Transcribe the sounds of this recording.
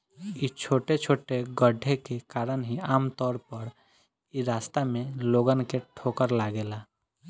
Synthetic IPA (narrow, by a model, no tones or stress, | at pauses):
it͡ʃʰoːʈet͡ʃʰoːʈeɡəɖʱekekaːɾənɦiaːmt̪ɔːɾpəɾ | iɾaːst̪amẽloːɡənkeʈʰoːkəɾlaːɡeːla